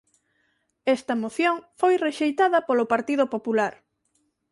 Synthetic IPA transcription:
ɛst̪ɐmoθjoŋfojreʃejt̪aðɐpolopaɾt̪iðʊpopulaɾ

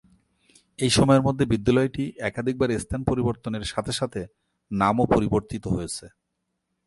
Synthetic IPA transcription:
ejʃɔmɔeɾmod̪ʱːebid̪ːalɔeʈiʔɛkad̪ʱik̚baɾest̪ʰanpoɾiboɾt̪oneɾʃat̪ʰeʃat̪ʰe | namopoɾiboɾt̪it̪oɦojet͡ɕʰe

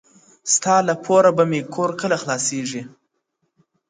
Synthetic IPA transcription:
st̪ɑlapʰoɾabamekʰoɾkəlaxlɑseʐi

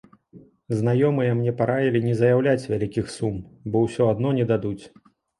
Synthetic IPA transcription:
znajɔmɨjɐmnʲɛpaɾavʲilʲinʲɛzɐjawlʲat͡sʲvʲalʲikʲixsumbɔwsʲɔad̪nɔnʲɛd̪ad̪ut͡sʲ

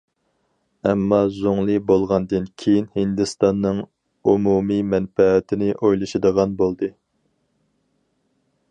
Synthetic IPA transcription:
ɛmːɑzoŋlˠɨbolˠʁɑnd̪ɨnkʲʰejinhind̪ɨst̪ɑnːɨŋ | umumimɛnfɛːt̪ʰɪnɪʔojlˠɨʃɨd̪əʁɑnbolˠd̪ɨ

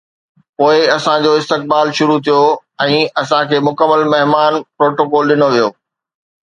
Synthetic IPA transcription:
poːɪɐsãd͡ʑoːɪst̪ɪk̚baːlʃʊɾut̪ʰijoɛ̃ːɐsãkʰeːmʊkəmːəlmɐɦmaːnpɾoːʈoːkɔːlɗɪnoʋijoː

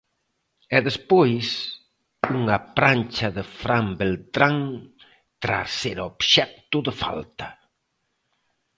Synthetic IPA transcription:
ɛðespojs | uŋɐpɾant͡ʃɐðɪfɾambelt̪ɾaŋ | t̪ɾa̰sseɾobʃɛk̚t̪ʊðɪfa̰lt̪ɐ̥

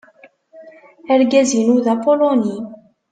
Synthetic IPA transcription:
æɾɡæzinuðæpoloni

